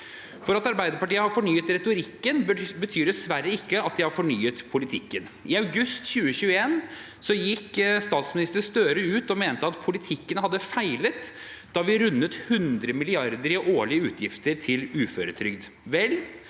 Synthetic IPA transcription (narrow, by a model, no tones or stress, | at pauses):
fɔɾɑt̪ɑɾbæɪd̪əɾpɑʈiːəhɑfɔɳyːət̪ɾɛt̪ʊɾɪkːənbət̪ʰyːɾɖ̪ɛsʋæɾːəɪkːəɑt̪̚d̪ɪhɑfɔɳyːət̪pʰʊlɪt̪ʰɪkːən | ʔɪɑʉɡʉst̪çʉːəɕʉːəeːn | sɔjɪkːst̪ɑːt̪smɪnɪst̪əst̪øːɾəʉːt̪ɔmeːnt̪əɑt̪pʰʊlɪt̪ʰɪkːənhɑd̪ːəfæɪlət̪ | d̪̥ɑʋɪɾʉnːət̪hʉnd̪ɾəmɪlɪɑɾd̪əɾɪʔoːɭɪəʉːt̪ʰjɪft̪əɾt̪ʰɪlʉːføːɾət̪ʰɾʏɡd̪ | ʋɛlː